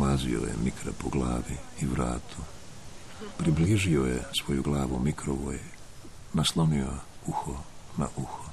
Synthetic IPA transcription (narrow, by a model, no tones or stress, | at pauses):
mazḭo̰jḛmikɾapoɡlˠaːʋiiʋɾa̰ːt̪ʰu | pɾibliiʒiojesʋo̞juɡlˠaːʋumikɾoʋoːj | naslˠoniouxona̰ʔuxo